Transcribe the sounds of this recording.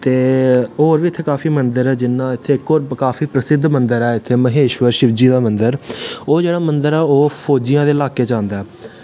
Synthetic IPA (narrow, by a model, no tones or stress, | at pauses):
t̪eːoːɾʋiːɪt̪ʰːeːkaːfiːmənd̪əɾɛːd͡ʒɪnːãːɪt̪ʰːeːkːoːɾkaːfʰiːpɾəsɪd̪ʱmənd̪əɾɛːɪt̪ʰːeːməɦeːʃwəɾʃɪʋd͡ʒiːd̪aːmənd̪əɾoːd͡ʒeːɽaːmənd̪əɾɛːoːpʰoːd͡ʒijãːd̪eːɪlaːkeːt͡ʃãːnd̪aːɛː